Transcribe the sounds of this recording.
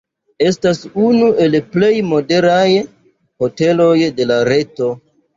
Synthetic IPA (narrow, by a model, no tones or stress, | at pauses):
e̞stasunuʔe̞lple̞jmo̞de̞ɾaj | ho̞te̞lo̞jde̞laɾe̞to̞